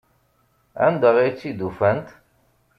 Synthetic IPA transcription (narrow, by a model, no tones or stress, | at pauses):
æ̰nd̪əʁit͡sːid̪ufænt̪